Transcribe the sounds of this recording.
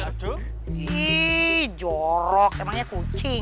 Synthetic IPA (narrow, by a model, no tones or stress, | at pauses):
i | d͡ʒɔɾɔk̚emaŋɲakut͡ʃɪ